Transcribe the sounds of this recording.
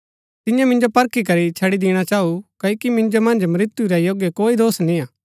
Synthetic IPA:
t̪ɪjãmɪ̃nd͡ʒopɐɾkʰik̬ɐɾit͡ʃʰɐɽid̪ɪːɽ̃at͡ʃaːukɐikimɪ̃nd͡ʒomɐ̃nd͡ʒmɐɾɪt̪juɾɛjoɡjekoːid̪oːsnĩaː

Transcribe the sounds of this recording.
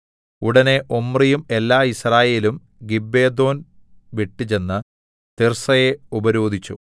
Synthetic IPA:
uɽɐne̞ʔomːrijume̞lːaːisraːje̞ːlum | ɡibːe̞ːd̪o̞ːn | ʋeʈːit͡ɕe̞nːɨ | t̪irsɐje̞ubɐɾo̞ːd̪ʱit͡ɕːṵ

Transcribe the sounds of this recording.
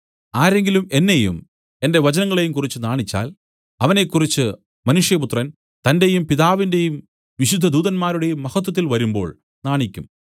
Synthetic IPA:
aːɾe̞ŋɡilume̞nːe̞jṵm | e̞nde̞ʋɐt͡ɕɐnɐŋːɐɭe̞jumkurit͡ɕːɨnaːɳit͡ɕːa̰ːl | ɐʋɐne̞kːurit͡ɕːɨ | mɐnuʂjɐput̪rɐn | t̪ɐnde̞jumpiðaːʋinde̞jum | ʋiɕud̪ʱːɐd̪uːðɐnmaːɾuɽe̞jumːɐɣɐt̪̬ːwɐt̪̬ːilʋɐɾumbo̞̰ːɭ | naːɳikʲːum

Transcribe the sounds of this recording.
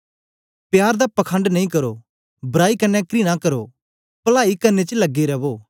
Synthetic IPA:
pjaːɾd̪apɐkʰə̃ɳɖnɐĩkɐɾo | bɐɾaːikɐnːɛkɾinãkɐɾo | pɐlaːikɐnːet͡ʃlɐɡːiɾɐʋoː

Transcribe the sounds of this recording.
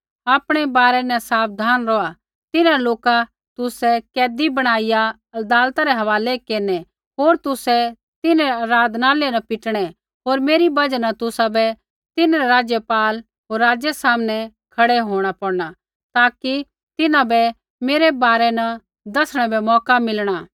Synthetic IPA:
aːpɽ̃ɛbaːɾɛnɐsaːp̚d̪ʱaːnɾɔa | t̪ɪnãloːka | t̪ʊsɛkɛːd̪ibɐɽ̃aːɪja | ɐd̪aːlt̪aɾɛɦɐʋaːlɛkeːɾnɛ | ɦoːɾt̪ʊsɛ | t̪ɪnaɾɾaːd̪naːlenɐpɪʈɽ̃ɛ | ɦoːɾmeːɾibɐd͡ʒnat̪ʊsabɛ | t̪ɪnãɾɛɾaːd͡ʒjəpaːl | ɦoːɾːaːd͡ʒjɛsaːmnɛ | kʰɐɽɛɦoːɽ̃apɐɽña | t̪aːki | t̪ɪnãbɛ | meːɾɛbaːɾɛnɐ | d̪ɐsɽ̃ɛbɛmɔːkamɪlɽ̃aː

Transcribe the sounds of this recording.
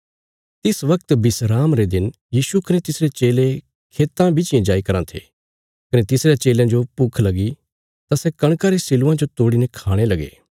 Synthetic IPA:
t̪ɪsʋɐkt̪bɪsɾaːmɾed̪ɪn | jiːsukɐnet̪ɪsɾet͡ʃeːle | kʰeːt̪ãbɪt͡ʃɪjãd͡ʒaːikɐɾãt̪ʰḛː | kɐnet̪ɪsɾejat͡ʃeːlãd͡ʒopukʰlɐɡi | t̪asɛkɐɽ̃kaɾesɪluãd͡ʒot̪oːɽinẽkʰaːɽ̃elɐɡḛː

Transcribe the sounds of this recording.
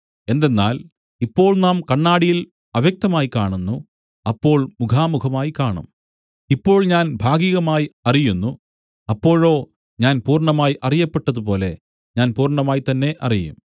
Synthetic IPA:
e̞nd̪e̞nːaːl | ipːo̞ːɭnaːmkɐɳːaːɽijil | ɐʋjɐk̚t̪ɐmaːjikaːɳunːu | ɐpːo̞ːɭmukʰaːmukʰɐmaːjikaːɳṵm | ipːo̞ːɭɲaːnbʱaːɡiɣɐmaːjiɐrijunːu | ɐpːo̞ːɻo̞ː | ɲaːnpuːrɳɐmaːjʔɐrijɐpːe̞ʈːɐðupo̞ːle̞ | ɲaːnpuːrɳɐmaːjit̪ɐnːe̞ʔɐ̰rijṵm

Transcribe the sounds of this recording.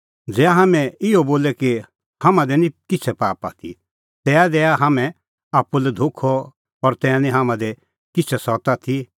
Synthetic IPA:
d͡zɛːaɦaːmɛ̃ɪɔboːlɛki | hamãd̪ɛnĩkɪt͡ʃʰɛpaːpa̰ːt̪ʰḭ | t̪ɛːad̪ɛːaɦamɛ̃ | aːpulɛd̪ʱʊkʰɔ | ɔɾt̪ɛːanĩɦamãd̪ɛ | kɪt͡ʃʰɛsɔt̪at̪ʰi

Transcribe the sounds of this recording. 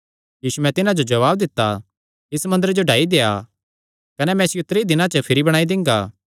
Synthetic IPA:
jiːsumɛ̃t̪ɪnãd͡ʒod͡ʒɐʋaːbd̪ɪt̪ːa | ɪsmɐ̃nd̪əɾed͡ʒoɖʱaːid̪eːja̰ | kɐnɛmɛ̃ɪsjʊt̪ɾeid̪ɪnãt͡ʃəpʰɪɾibɐɽ̃aːid̪ɪ̃ŋ̆ɡaː

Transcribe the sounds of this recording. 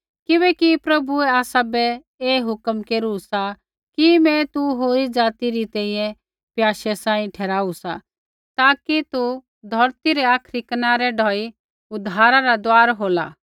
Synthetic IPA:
kɪbɛːkipɾɐbuɛaːsabɛ | eːɦʊkmkeːɾusa | kimɛ̃t̪uɦoːɾid͡ʒaːt̪iɾit̪ɛ̃ːĩjɛ̃ | pjaːʃɛsãːĩʈʰɛːɾaːusa | t̪aːkit̪u | d̪ʱɔɾt̪iɾɛaːkʰɾikɐnaːɾɛɖɔːi | ʊd̪ʱaːɾaɾad̪waːɾɦoːla̰ː

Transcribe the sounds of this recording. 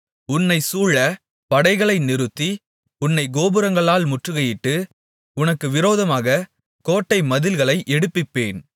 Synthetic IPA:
ʊnːɐɪsuːɭːɐ | pɐɽɐɪɣɐɭɐɪnɪɾɯt̪ːi | ʊnːɐɪɡoːbɯɾɐŋɡɐɭaːlmʊʈrɯɣɐjɪʈːɯ | ʊnɐkːɯʋɪɾoːðɐmaːɣɐ | koːʈːɐɪmɐðɪlɣɐɭɐɪʔɛɽɯpːɪpːeːn

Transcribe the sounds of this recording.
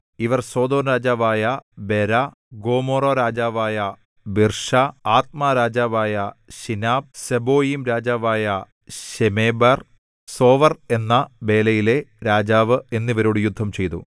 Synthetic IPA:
iʋɐrso̞ːd̪o̞ːnɾaːd͡ʑaːʋaːjɐbe̞ɾɐ | ɡo̞ːmoːroɾaːd͡ʑaːʋaːjɐ | birʂɐaːt̪̚maːɾaːd͡ʑaːʋaːjɐɕinaːb̚sebo̞ːjimɾaːd͡ʑaːʋaːjɐ | ɕemeːbɐr | so̞ːʋɐre̞nːɐbe̞ːlɐjile̞ɾaːd͡ʑaːʋɨe̞nːiʋɐɾuːɽjud̪ʱːɐmt͡ɕe̞jt̪ṵ

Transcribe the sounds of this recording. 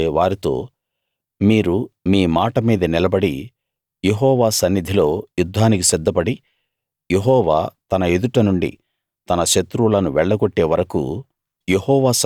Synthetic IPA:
ʋaːɾit̪o̞̰ː | miːɾumiːmaːʈɐmiːd̪ɐnilɐbɐɽi | je̞ɦɔːʋaːsɐnːid̪ʱilo̞ːjud̪ʱːaːnikisɛd̪ːɐpɐɽi | je̞ɦɔːʋaːt̪ɐnɐe̞d̪uʈɐnuɳɖḭ | t̪ɐnɐʃɐt̪ɾulɐnuʋɛɭːɐɡoʈːe̞ːʋɐɾɐkṵ | je̞hɔːʋaːs

